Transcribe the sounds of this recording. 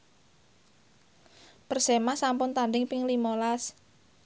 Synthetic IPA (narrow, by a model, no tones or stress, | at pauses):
pərsemasampʊnt̪andɪŋpɪŋlimolas